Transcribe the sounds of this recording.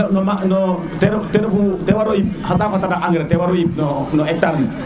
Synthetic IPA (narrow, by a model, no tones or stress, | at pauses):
nɔmanɔ | tɛɾtɛɾfutɛwaɾojip̚hasafatadaʔaŋɡɾɛtɛwaɾɔjip̚nɔnɔɛk̚taɾni